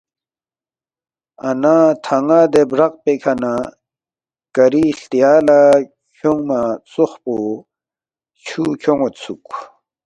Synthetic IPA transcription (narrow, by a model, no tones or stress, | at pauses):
ɐnat̪ʰɐŋɡad̪ebɾɐq̚pekʰɐna | kɐɾiɬt̪ijaːla | kʰoŋmat͡suχpo | t͡ɕʰuːkʰoŋot̪sʰuk